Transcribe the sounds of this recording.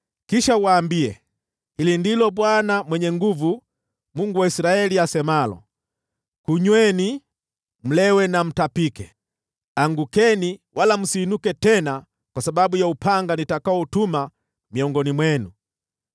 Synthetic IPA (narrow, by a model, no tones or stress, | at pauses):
kiʃauwaːmbiɛ | hilindilɔbwanamwɛɲɛŋɡuvu | muŋɡuwaisiɾaɛliasɛmalɔ̰ | kuɲwɛni | m̩lɛwɛnam̩tapikɛ | aŋɡukɛniwʔalam̩siːnukɛtɛna | kwasabaɓujaupʰaŋɡanitakaɔtuma | miɔŋɡɔnimwɛnu